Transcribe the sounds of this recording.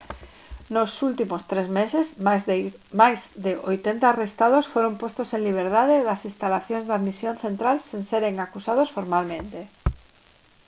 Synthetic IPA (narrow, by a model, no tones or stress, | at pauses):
nosult̪imost̪ɾezmesez | majzðɪʔojt̪ent̪aːrest̪að̞osfoɾompost̪osẽŋliβ̞eɾðaðeðɐsinst̪alaθjõnzðaðmisjõnθent̪ɾalsenseɾeŋakusað̞osfoɾmalmẽnt̪e